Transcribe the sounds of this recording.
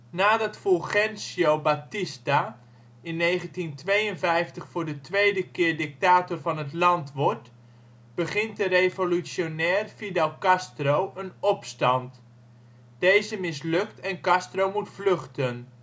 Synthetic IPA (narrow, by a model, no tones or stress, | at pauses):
naːdɑtfɔlχɛnsiowbatɪsta | ɪnːejχəntintʋejənvɛjftəχfʊːɹdətʋejdəkɪːɹdɪk̚taːtɔrvɑnɦətlɑntʋɔɹt | b̥əχɪntdərejvolysjonɛːrfidɑlˠkɑstrowʔənɔpstɑnt | d̥ejzəmɪslɵk̚tɛnkɑstrowmutflɵχtən